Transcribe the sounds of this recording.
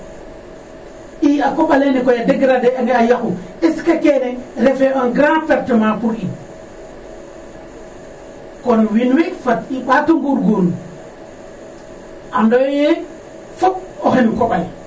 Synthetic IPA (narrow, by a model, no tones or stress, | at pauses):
ʔiakoɓalenikojadeɡɾadeaŋeajaku | eskakeneɾefeanɡɾãfeɾtemakuɾi | kɔnwinwefatiɓatuŋɡuɾɡuɾu | andɔjje | fop̚oxenikoɓaj